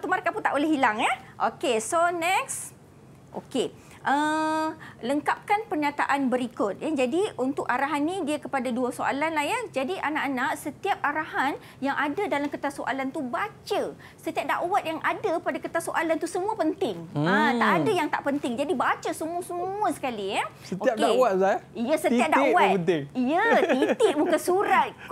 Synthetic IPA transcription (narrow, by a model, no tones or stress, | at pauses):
t̪umaɾakaput̪aʔolɛɦilaŋəʔokesonɛks | ʔo̰ke | ʔə | ləŋkap̚kanpərɲãt̪a̰ʔanbəɾikʊt̪̚jad͡ʒadiʔunt̪ʊkaɾaɦanːĩdiakəpadaduasoʔa̰lanlahɦjəhd͡ʒadiʔanaʔanãʔsət̪iap̚aɾaɦan | jaŋʔadadalamkət̪asoʔa̰lant̪ubat͡ʃə | sət̪iap̚da̰ʔwat̪̚jaŋʔadapadakət̪asoʔalant̪usəmũəpənt̪ɪŋət̪aʔadajaŋt̪a̰ʔpənt̪ɪŋd͡ʒadibat͡ʃəsəmuəsəmuəsə̥kaliasət̪oiap̚dawat̪saijəsət̪iap̚daʔwat̪̚ənt̪ɪŋijəit̪ɪbukasuɾat̪̚